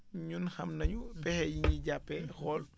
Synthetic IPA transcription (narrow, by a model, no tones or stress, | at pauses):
ɲunxɐmnɐɲupɛhɛjiɲiɟapːɛxɔl